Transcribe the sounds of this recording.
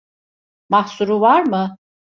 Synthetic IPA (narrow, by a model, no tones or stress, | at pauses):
mahsuɾuvaɾmɯ